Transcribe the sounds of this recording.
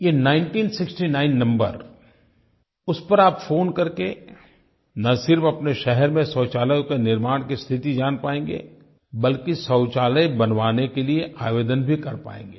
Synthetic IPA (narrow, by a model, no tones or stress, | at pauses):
jeːnaːɪnʈiːnsɪksʈinaːɪnːɐ̃mbə̰ɾ | ʊspɐɾaːpfoːnkɐɾke | nɐsɪɾfɐpneʃɛɦɛɾmẽsɐːt͡ʃaːləjõkenɪɾmaːɽ̃kist̪ʰɪt̪id͡ʒaːnpaːẽːŋɡḛː | bɐlkisɔːt͡ʃaːləjbɐnʋaːnekelieʔaːʋeːd̪ənbʱikɐɾpa̰ːḛ̃ːŋɡeː